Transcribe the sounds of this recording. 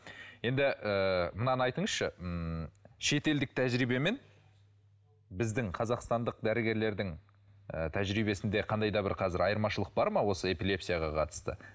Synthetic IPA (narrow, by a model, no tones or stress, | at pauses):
je̞nd̪ɪʔəmənɑnɑjt̪əɴəzʃəmʃe̞t̪e̞ld̪ɪk̚t̪ʰæʒɾijbeme̞n | bɪzd̪ɪŋqʰɑzɑqst̪ɑnd̪əq̚d̪æɾɪɡʲe̞ɾle̞ɾd̪ɪŋ | ə̰t̪ʰæʒɾiβe̞sɪnd̪e̞qʰɑnd̪ɑjd̪ɑbɪɾqʰɑzɪɾɑjəɾmɑʃəlˠəq̚bɑɾmɑwo̞səe̞pilˠe̞psijɑʁɑqʰɑt̪ə̥st̪ə̰